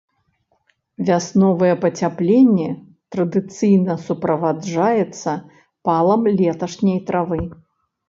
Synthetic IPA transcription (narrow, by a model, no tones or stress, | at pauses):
vʲasnɔvɐjɛpɐt͡sʲaplʲenʲːɛ | t̪ɾɐd̪ɨt̪sɨjnɐsupɾɐvad͡ʐajɛt̪sːɐ | palˠɐmlʲɛt̪ɐʂnʲejt̪ɾavɨ